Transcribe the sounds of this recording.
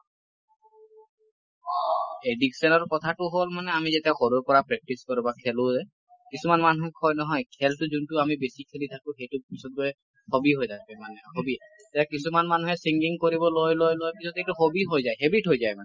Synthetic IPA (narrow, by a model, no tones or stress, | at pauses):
ediksɔnɔɹkɔt̪ʰatʊɦolmanɛamizetɛaxoɹuɹkɔɹapɹɛk̚tiskɔɹubakʰɛlʊ̃zɛ | kisumanmanuɦɛkʰɔjnɔɦɔjkʰɛltʊzuntʊamibesikʰelitʰakʊ̃xejtʊpisɔt̚ɡɔɛ | xobiɦojzajbɛmanɛhobiɛ | tɛakisumanmanuɦɛsiŋɡiŋkoɹibɔlojlojlojpisɔtejtʊxobiɦojzajɦebitɦojzajmanɛ